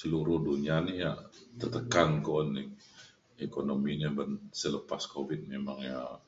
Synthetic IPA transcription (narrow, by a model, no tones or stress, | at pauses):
səluɾʊhdunianija̰ʔt̪ərt̪əkankonːi | ekonomiɲabənsələpaskovit̪̚memaŋja